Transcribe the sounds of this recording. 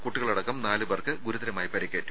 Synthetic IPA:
kuʈːiɣɐɭɐɽɐkːɐmnaːlɨbɐrkɨɡuɾuðɐɾɐmaːjipɐɾikʲːeːtːu̥

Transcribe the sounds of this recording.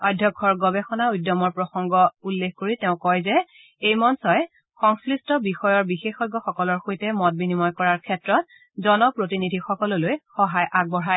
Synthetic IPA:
adʱjɔkʰːɔɹɡɔbɛxɔnaujdːɔmɔɹpɹɔxɔŋɡɔulːexkoɹitɛʊ̃kɔjzɛ | ejmɔnsɔj | xɔŋslistɔbixɔjɔɹbixexɔɡɔxɔkɔlɔɹxojtɛmɔt̚binimɔjkɔɹaɹkʰɛtɹɔt̚ | zɔnɔpɹotinidʱixɔkɔlɔlojxɔɦajʔaɡ̚bɔɹa

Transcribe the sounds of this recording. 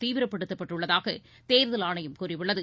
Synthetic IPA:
t̪iːʋɪɾɐpːɐɽɯt̪ːɐpːɐʈrɯɭːɐðaːɣɐ̰ | t̪eːɾðɐlaːɳɐjɯmkuːrɪʋɯɭːɐðɯ

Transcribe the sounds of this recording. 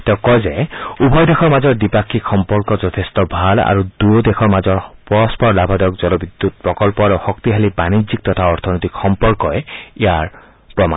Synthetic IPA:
tɛʊkɔjzɛubʱɔjdɛxʰɔɹmazɔɹdipakʰːikxɔmpɔɹkɔzɔtʰestɔbʱala̰ɹud̥uɹdɛxɔɹmazɔɹpɔɹɔspɔɹlabʱadɔkzɔlɔbidːut̚pɹɔkɔlpɔaɹuxɔktiɦalibanizik̚tɔtʰaɔɹtʰɔnotikxɔmpɔɹkɔɛijaɹ | pɹɔma̰

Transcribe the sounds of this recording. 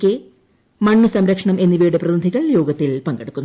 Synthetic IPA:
kːe | mɐɳːɨsɐmɾɐkʂɐɳɐme̞nːiʋɐjuɽeprɐd̪nd̪ʱiɣɐɭjo̞ːɡɐt̪ːilpɐŋɡeɽukːunː

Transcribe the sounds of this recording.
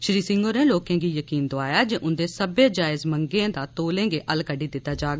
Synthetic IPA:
ʃɾiːsɪ̃ŋɡoːnẽːloːkẽːɡiːjəkiːnd̪oaːjaːd͡ʒeːʔʊnd̪eːsəbeːd͡ʒaːɪzməŋɡẽãːd̪aːt̪oːlẽːɡeːʔəlkəɖiːd̪ɪt̪ːaːd͡ʒaːɡa

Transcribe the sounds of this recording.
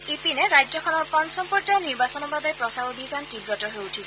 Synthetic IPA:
ipinɛɹajɔkʰɔnɔɹpɔnsɔmpɔɹd͡ʒajniɹbasɔnɔbabɛpɹɔsaobʱizantibɹɔtɔɦojutʰisɛ

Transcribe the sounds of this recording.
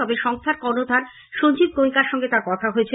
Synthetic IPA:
ɔbeʃɔŋst̪ʰaɾkɔɾnod̪ʱan | ʃond͡ʑib̪̚komikaɾʃɔŋɡet̪aɾkɔt̪ʰaɦoet͡ɕʰe

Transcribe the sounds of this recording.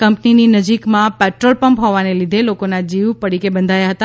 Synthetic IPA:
kəmpnininəd͡ʒikmãpɛʈɾolpəmpɦoʋanelid̪ʱelokonad͡ʒiʋpəɽikebə̃nd̪ʱajaɦət̪a

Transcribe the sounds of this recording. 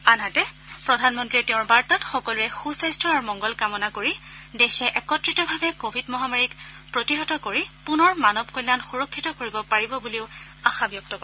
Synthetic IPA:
anɦatɛpɹɔdʱanmɔntɹiɛtɛʊ̃ɹbaɹtatxɔkɔluɹɛxusajstɹɔaɹumɔŋɡɔlkamɔnakoɹidexɛʔɛkɔtɹitɔbʱabɛkobʱidmɔɦamaɹik | pɹotiɦɔtɔkoɹipunɔɹmanɔb̚kɔjlːanxuɹɔkʰːitɔkoɹibɔpaɹibɔbuliʊ | axabjɔk̚tɔkɔɹ

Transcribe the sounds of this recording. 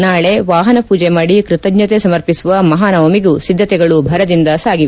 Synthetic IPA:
naːɭe̞ʋaːɦɐnɐpuːd͡ʒemaːɽikɾit̪ɐɡɲɐt̪esɐmɐɾpisuʋɐmɐɦaːnɐʋɐmiɡusid̪ʱːɐt̪ɛɡɐɭubʱɐɾɐd̪ind̪ɐsaːɡiʋ

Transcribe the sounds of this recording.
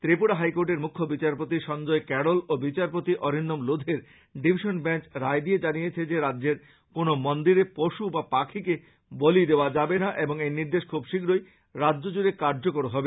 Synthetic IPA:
t̪ɾipuɽaɦajkoɾʈeɾmukʰːobit͡ɕaɾpot̪iʃɔnd͡ʑɔekɛɽolobit͡ɕaɾpot̪iʔɔɾinːomlod̪ʱeɾ | ɖibʱiʃonbɛnt͡ɕɾaed̪ied͡ʑanijet͡ɕʰed͡ʑeɾadːd͡ʑeɾ | konomond̪iɾepoʃubapakʰike | bolid̪eoad͡ʑabenaʔeboŋejniɾd̪eʃkʰubʃiɡɾoj | ɾadːd͡ʑod͡ʑuɾekaɾd͡ʑokoɾoɦɔbe

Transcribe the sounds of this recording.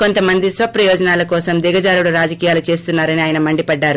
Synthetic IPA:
ko̞nt̪ɐmɐnd̪isʋɐpɾɐjɔːd͡ʒɐnaːlɐkɔːsɐmd̪iɡɐd͡ʒaːɾuɽuɾaːd͡ʒɐkijaːlut͡ʃe̞ːst̪unːaːɾɐniaːjɐnɐmɐɳɖipɐɖːaːɾu

